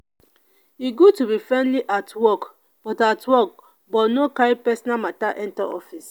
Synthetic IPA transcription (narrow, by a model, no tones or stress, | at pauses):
iɡutubifɹɛ̃nliʔatwɔk | b̥ɔtatʰwɔk̚ | bɔtnokaɹipɛsɔnamataʔɛ̃ntaɔ̰fis